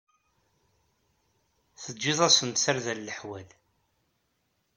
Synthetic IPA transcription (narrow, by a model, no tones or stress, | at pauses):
θəːɪðˤæsənsaɾðælːəħwæl